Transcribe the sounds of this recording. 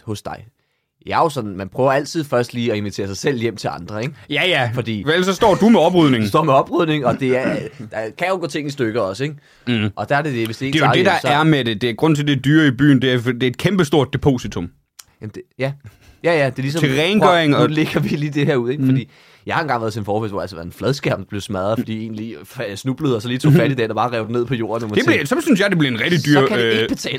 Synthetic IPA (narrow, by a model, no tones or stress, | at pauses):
hɔ̽sd̥ɑ̈ɪ | jɑjo̝sɒ̽d̥n̩mænpʰʁ̥œːʊɐæl̰t͡sʰið̞̰ˠfɶɐsd̥liːɒ̽e̝nʋit͡sʰe̝̰ɐsɑ̈ɪsel̰jem̰t͡sʰe̝lʔɑ̈nd̥ʁɐeɡ̥jæjæfɒ̽d̥ḭːʋelsɒ̽sd̥ɒ̰ːd̥umeɒ̽b̥ʁyð̰ˠne̝ŋsd̥ɒ̰ːmeɒ̽b̥ʁyð̞̰ˠne̝ŋɒ̽d̥e̝æɐd̥ɑkʰæjoɡ̥ɔ̽t͡sʰe̝ŋ̰nisd̥øɡ̥əɒ̽səeɡ̥ | ʔɒ̽d̥æɐd̥e̝d̥e̝ʋe̝sd̥ee̝ːde̝jod̥ed̥ɑ̈æɐmed̥e̝d̥e̝æɡ̥ʁɔ̽n̰t͡sʰeld̥ed̥yːɐib̥y̰ːn̩d̥e̝æɐd̥e̝ed̥kʰemb̥əsd̥o̝ɐ̰d̥̚ːe̝pʰo̝ːsit͡sʰɔ̽m | jæmd̥ejæ | jæjæd̥e̝lisɒeʁɛɪnɡœɐeŋɒle̝ɡ̥ɐʋiliːd̥e̝ɦeɐ̰uð̞̰ˠe̝ɡfɒ̽d̥ḭː | jɑ̈ɪhɑ̈enɡɑ̈ŋ̰ʋæɐðˠsenfɒ̰ːfeldʋɒ̰ælsəʋæɐenflɛðˠsɡ̥æɐ̰mnb̥le̝ʊsmæðˠɐfɒ̽d̥ḭːe̝̰ːnliːfsnub̥ləð̞̩ˠɒ̽sɒliːt͡sʰo̝fæɾidɛ̰ːnɒ̽bɑ̈ːʁɛʊd̥ene̝ð̞̰ˠpʰɒ̽jo̝̰ːɐ̃nomɒd̥e̥liɐsɒ̽msyns̬jɑ̈ɪd̥e̝b̥liɐenʁɛɡ̥d̥id̥y̰ːɐæ̥e̥b̥et͡sʰɛ̰ːl